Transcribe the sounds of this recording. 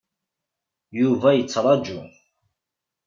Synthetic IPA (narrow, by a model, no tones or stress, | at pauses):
juvæjət͡sːɾˤɑd͡ʒu